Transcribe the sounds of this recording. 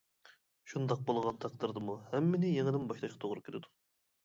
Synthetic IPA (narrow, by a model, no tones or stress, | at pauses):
ʃund̪ɑq̚bolˠʁɑnt̪ʰɑq̚d̪ɨɾd̪ɨmuhɛmːɪnɪjeŋɪd̪ɪmbɑʃlˠɑʃqʰɑt̪ʰoʁɾɨkʲʰeɾɪd̪u̥